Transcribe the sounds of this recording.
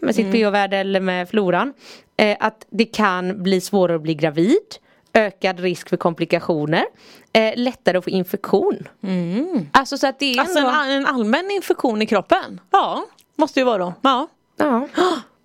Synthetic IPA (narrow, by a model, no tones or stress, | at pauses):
mɛsɪt̪pʰeːɔvæːɖəɛlːəɾmɛd̪fluːɾan | ʔat̪d̪ɛkʰanbliːsvoːɾaɾɔbliːɡɾaviːd̪ | øːkad̪ɾɪskfœɾkʰɔmplɪkaɧuːnəɾ | lɛt̪ːaɾəɔfoːɪnfɛkɧuːn | ʔalsɔsɔat̪̚d̪ɛɾaɛɛnalmɛnːɪnfɛkɧuːnɪkʰɾɔpːənɑ | mɔst̪əjəvɑːɾoɑː | ɑː